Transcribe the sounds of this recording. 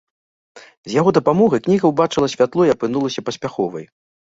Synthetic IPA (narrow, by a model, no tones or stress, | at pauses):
zʲjaɣɔd̪ɐpamɔɣɐknʲiɣɐwbat͡ʂɨlˠɐsʲvʲat̪lˠɔjɐpɨnulˠɐsʲɐpɐsʲpʲaxɔvɐ̰j